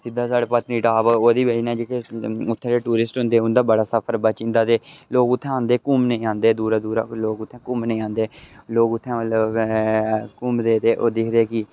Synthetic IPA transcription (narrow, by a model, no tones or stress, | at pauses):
sɪd̪ːaːsaːɽeːpət̪niːʈaːʋoːd̪iːbeiːnãːd͡ʒeːkeʊt̪ʰːɛ̃eːʈuːɾɪsʈɦʊ̃nd̪eːʊnd̪aːbəɽaːsəpʰəɾbaːt͡ʃɪ̃nd̪aːt̪eːloːɡʊt̪ʰːɛ̃ːãːnd̪eːkʊmnəĩːãːnd̪eːd̪uːɾaːd̪uːɾaloːɡʊt̪ʰːɛ̃ːkʊmnəĩːãːnd̪eːloːɡʊt̪ʰːɛ̃ː | kʊmd̪eːt̪eːʔoːd̪ɪkʰd̪eːkɪ